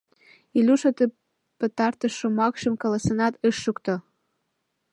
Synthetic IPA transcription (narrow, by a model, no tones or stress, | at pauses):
ilʲuʃot̪ə | pə̆t̪ɑrt̪əʃːomɑkʃəmkɑlɑsənɑt̪əʃːukt̪o